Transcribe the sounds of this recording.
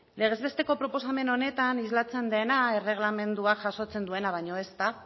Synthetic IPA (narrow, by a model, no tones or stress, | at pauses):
le̞ɣ̞e̞zβe̞st̪e̞ko̞pɾo̞po̞same̞no̞ne̞t̪anizlat͡se̞nd̪e̞naere̞ɣ̞lame̞nd̪uakʝaso̞t͡se̞nd̪ue̞naβ̞aɲo̞e̞st̪a